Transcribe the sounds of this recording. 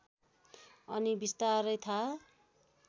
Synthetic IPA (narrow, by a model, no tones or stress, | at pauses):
ʌnibist̪aɾʌjt̪ʰa